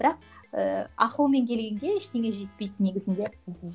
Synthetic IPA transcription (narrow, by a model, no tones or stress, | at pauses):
b̥ɪɾɑq̚ | əɑ̰qulˠme̞ŋkʲʰe̞lɡʲe̞ŋɡʲe̞ɪʃt̪e̞ŋʲe̞ʒe̞t̪̚pe̞jt̪ne̞ɡʲɪzɪnd̪e̞